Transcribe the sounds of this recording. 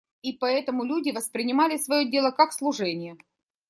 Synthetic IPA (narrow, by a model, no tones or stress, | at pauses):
ipɐɛt̪əmʊlʲudʲɪvəspɾʲɪnʲɪmalʲɪsvɐjodʲe̞lˠəkakslˠʊʐɛnʲɪjə